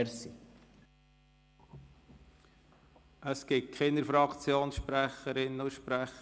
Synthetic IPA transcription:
ɾsi | əskɪt̚kʰχɪnəɾfɾɑkt͡sjoːnsʃpɾæχəɾɪnnʊʃpɾæχ

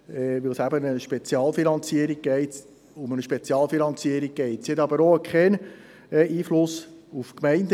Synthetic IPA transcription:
ɛʋɪlsæbənəʃpet͡sjɑːlfinɑnt͡siəɾiɡ̚ɡ̥ɛɪt̪ | ʊmənəʃpet͡sjɑːlfinɑnt͡siəɾik̚ɡ̥ɛɪt̪shɛt̪ɑbəɾokχɛn | iːflʊs | ufkmɛɪnd̪

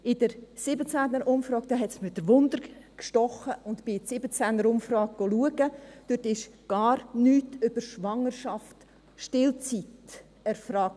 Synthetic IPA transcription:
ɪd̥əɾsɪbət͡sænəɾʔʊmfɾɑːɡ̚d̥ɑːɦɛtsmɪdəɾʋʊnd̪əɾkʃtɔχəʔʊntbpɪsɪbət͡sænəɾʊmfɾɑːɡ̚ɡ̥ɔluəɡəd̥øtɪʃɡ̥ɑːɾnyːtʏb̥əɾʃʋɑŋəɾʃɑft | ʃtɪlt͡sit | ɛɾfɾɑːk̚

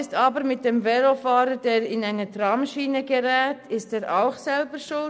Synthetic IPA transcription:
ɪstɑːbəɾmɪt̚d̥emvɛlofɑːɾəd̥eːɾɪnaɪnətɾɑːmʃiːnəɡeɾɛːtɪsteːɾʔaʊxsɛlbəʃʊl

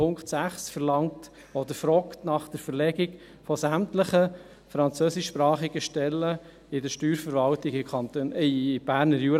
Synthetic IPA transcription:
ʊŋkχtsæχsfəɾlɑŋt | ɔd̪əɾfɾɔktnɑχd̥əɾfəɾlɛɡɪɡ | fɔsæmtləχə | fɾɑnt͡søːsɪʃpɾɑːχiɡəʃtɛlːə | ɪdəɾʃtyːɾfəɾvɑltɪɡɪɑɪb̥æːɾnəɾjuːɾ

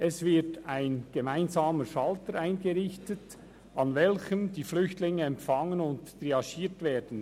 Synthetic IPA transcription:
ʔɛsvɪtaɪnɡ̥emaɪnzɑːməʃɑltəɾaɪnɡəɾɪçtət | ɑnvɛlçəmdiːflʏçtlɪŋəɛmfɑŋənʊntːriɑʃiːtveːdn̩

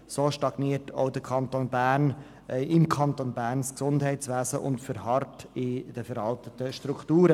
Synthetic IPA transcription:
soːʃtɑɡ̥niətʰo̰ʊdəɾkʰɑntonbæːɾn | ɪmkʰɑntonbæːrnsksʊndɦɛɪtsʋæːzəʔʊ̰ntfʏɾhɑrtɪd̥əfɛɾɑltətəʃtɾuktuːɾə

